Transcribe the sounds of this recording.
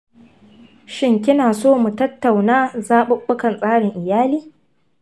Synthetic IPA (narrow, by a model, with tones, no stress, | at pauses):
ʃɪ˦ŋkʲɪ˦naː˨soː˦˨mu˨tɐ˦tːa˨wnaː˦zaː˦ɓʊ˦kːʊ˦kɐ˨nsʼaː˦ɽɪ˨ŋʔɪ˨jaː˦liː˦